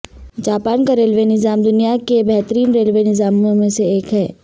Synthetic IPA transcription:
d͡ʒaːpaːnkaɾeːlʋenɪzaːmd̪ʊnijakebɛɦt̪əɾiːnɾeːlʋenɪzaːmõmẽseeːkɦɛː

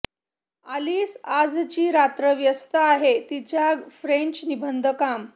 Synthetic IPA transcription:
aliːsad͡zt͡ɕiːɾat̪ɾəʋjəst̪aaɦet̪it͡ɕjafɾẽɲt͡ɕnibʱənd̪ʱəkam

